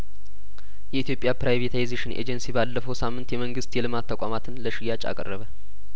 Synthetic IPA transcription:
jɛit̪jo̞pʼjapɾajvet̪ʰajzeʃɪnʔḛd͡ʒɛnsibalːəfəwsamːɨnt̪jɛməŋɡɨst̪jɛlɨmat̪ʰːəkʷʼamat̪ʰɨnləʃɪjat͡ʃʼa̰kʼə̰rːəβə

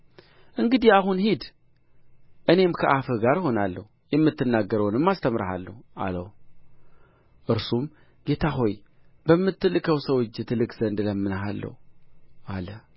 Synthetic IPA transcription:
ʔɨŋɡɨd̪iaɦunhid̪ | ʔɨne̞mkʰɐʔafɨɡaɾho̞nalːəhu | jɛmːɨt̪ːɨnːaɡːəɾəwnɨmːast̪ʰəmɾaha̰lːə̰hua̰ləw | ʔɨɾsum | ɡ̥e̞t̪ʰaɦo̞j | bəmːɨt̪ʰːɨlɨkʰəwsəwɔt͡ʃːɨt̪ʰɨlɨkzənd̪ləmːɨnɦalːə̰hualə

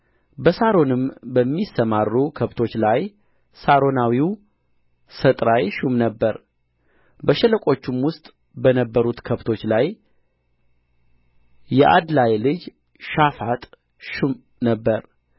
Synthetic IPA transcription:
bəsaɾo̞nɨmbəmːisːəmarːukʰəβt̪ʰo̞t͡ʃːlaj | saɾo̞nawiw | sət̪ʼɾajʃumnəbːəɾ | bəʃɛləkʷʼo̞t͡ʃːumwʊst̪ʼ | bənəbːəɾut̪kʰəβt̪ʰo̞t͡ʃːlaj | jɛʔa̰d̪lajlɨd͡ʒ | ʃafat̪ʼ | ʃum | nəbːəɾ

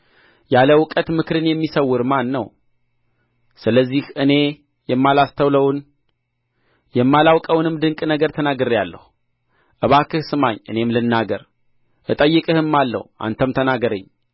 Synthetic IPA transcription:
jaləwʊkʼət̪mɨkɾɨnjɛmːisəwːʊɾmanːə̰w | sɨləzːihʔɨne̞ | jɛmːalast̪ʰəwləwn | jɛmːalawkʼəwnɨmd̪ɨŋkʼnəɡəɾt̪ʰənaɡɨɾjalːə̰h | ʔɨβakʰɨhsɨmaɲːʔɨ̰ne̞mlɨnːaɡəɾ | ʔɨt̪ʼəjːɨkʼɨhɨmːalːə̰huʔa̰nt̪ʰəmt̪ʰənaɡəɾə̰ɲː

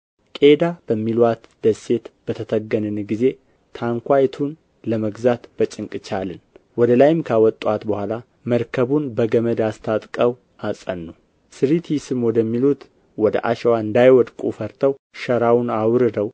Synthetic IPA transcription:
kʼe̞d̪abəmːilwat̪d̪̥əsːe̞t̪b̥ət̪ʰət̪ʰəɡːənɨnɡize̞ | t̪ʰaŋkʷajt̪ʰun | ləməɡzat̪b̥ət͡ʃʼɨŋkʼɨt͡ʃalɨnwɔd̪əlajɪmkʰawɔt̪ʼːwat̪bəhʷala | məɾkʰəβunbəɡəməd̪ast̪ʰat̪ʼkʼəw | asʼənːu | sɨɾit̪ʰjisɨmwɔd̪əmːilut̪ | wɔd̪ə̰ʔa̰ʃɛwaɨnd̪ajwɔd̪kʼufəɾt̪ʰəwʃəɾawʊnawɾɨd̪əw

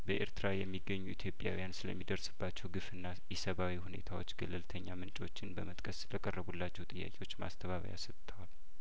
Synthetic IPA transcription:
bəʔeɾt̪ʰɨɾajɛmːiɡːəɲːuit̪ʰjo̞pʼja̰wijansɨləmːid̪əɾsɨbːat͡ʃːɛwɡɨfɨnːajɛsəβawihune̞̰t̪ʰawot͡ʃːɡəlːɨlt̪ʰəɲːamɨnt͡ʃʼo̞t͡ʃːɪnbəmət̪ʼkʼʰəsːɨləkʼərːəβulːat͡ʃːɛwt̪ʼɨjːa̰kʼewo̞t͡ʃːma̰st̪ʰəβaβə̰ja̰sət̪ʼt̪ʰəwal

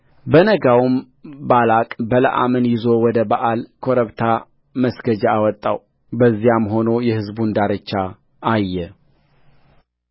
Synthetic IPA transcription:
bənəɡawum | balakʼbələ̰ʔa̰mənjɪzo̞wɔd̪əbaʔalkʰoɾəβt̪ʰa | məsɡəd͡ʒaawɔt̪ʼːa̰w | bəzːijamho̞nojɛhɨzbund̪aɾət͡ʃːa | ajːɛ

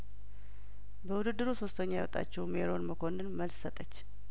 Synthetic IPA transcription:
bəwud̪ɨd̪ːɨɾuso̞st̪ʰəɲːajawɔt̪ʼa̰t͡ʃːɛwmeɾo̞nməkʰo̞nɨnməlssət̪ʼət͡ʃː

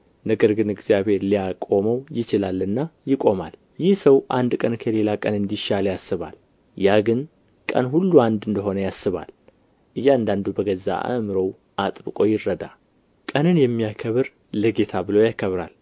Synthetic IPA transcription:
nəɡəɾɡɨnɨɡzijaβhe̞ɾlijakʼo̞məwjɪt͡ʃɪlalːɨnːajɪkʼo̞ma̰l | jɪhsəwʔand̪kʼənkʰəle̞lakʼənɨnd̪iʃaljasːɨβa̰l | jaɡɨn | kʼə̰nɦulːuand̪ɨnd̪əɦo̞nəjasːɨβa̰l | ʔɨjːand̪and̪ubəɡəzːa̰ʔa̰mɨɾow | ʔat̪ʼbɨkʼojɪrːəd̪a̰ | kʼənɨnjɛmːijakʰəβɨɾ | ləɡe̞t̪ʰabɨlo̞jakʰəβɾa̰l

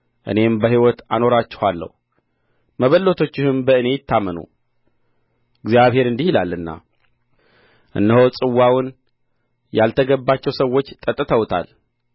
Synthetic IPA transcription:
ʔɨ̰ne̞mbəɦiwɔt̪ano̞ɾat͡ʃːɛ̥halːə̰h | məβəlːo̞t̪ʰo̞t͡ʃːɪhɨmbəɨne̞jɪt̪ːamənṵ | ɨɡzjaβhe̞ɾɨnd̪ihilalːɨnːa̰ | ʔɨ̰nːəhosʼɨwːawʊn | jalt̪ʰəɡəbːat͡ʃːɛwsəwːo̞t͡ʃːt̪ʼət̪ʼːɨt̪ʰəwt̪ʰa̰l

